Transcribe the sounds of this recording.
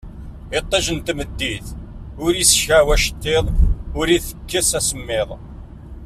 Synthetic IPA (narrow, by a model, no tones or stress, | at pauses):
ɪt̪ˤːɑʒənt̪məd̪ːiθʊɾisçæwæʃə̥t̪ːeðˤʊɾiθə̥kːəsæsəmːɪðˤ